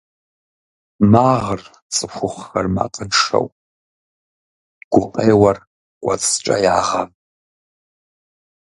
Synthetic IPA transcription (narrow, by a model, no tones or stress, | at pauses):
maʁər | t͡sʼɨxʷʊχxarma̰qʼənʂo̰wpʼ | ɡʷʊqʼejwar | kʷʼat͡sʼʈ͡ʂʼa̰jaʁam